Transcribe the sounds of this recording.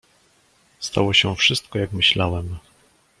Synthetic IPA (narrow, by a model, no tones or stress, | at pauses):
st̪a̰wɔɕɛfʂɘst̪kɔjakmɘɕlawɛm